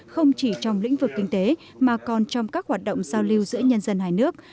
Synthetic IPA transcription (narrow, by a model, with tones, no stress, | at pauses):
xə˧wŋ͡mt͡ɕi˧˩t͡ɕɔ˧wŋ͡mlḭ̈˧˥ŋ̟vɨ˨˩kːï˧ŋ̟t̪e˨˦ | maː˨˩kɔ˨˩nt͡ɕɔ˧wŋ͡mkaː˦˥k̚hwaː˨˩t̚ɗo̰˧˨wŋ͡mz̥aː˧wli˧wzɨ̰˧˥əɲə˧nzə˧nɦaː˨˩jnɨ˦˥ək̚